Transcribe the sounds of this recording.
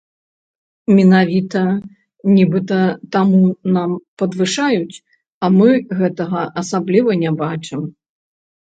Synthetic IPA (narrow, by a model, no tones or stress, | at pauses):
mʲɛnavʲit̪ɐ | nʲibɨt̪ɐt̪amunampɐd̪vɨʂajut͡sʲ | ɐmɨɣɛt̪ɐɣɐʔɐsablʲivɐnʲɛbat͡ʂɨm